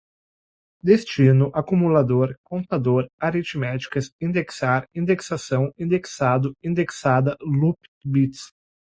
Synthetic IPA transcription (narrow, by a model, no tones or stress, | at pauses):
d̪est͡ʃinʊʔakumulad̪oɾkõnt̪ad̪oɾaɾit͡ʃmɛt͡ʃi̥kɐsĩnd̪eksaɾĩnd̪eksasɐ̃w̃ĩnd̪eksad̪ʊĩnd̪eksad̪ɐlup | bit̪s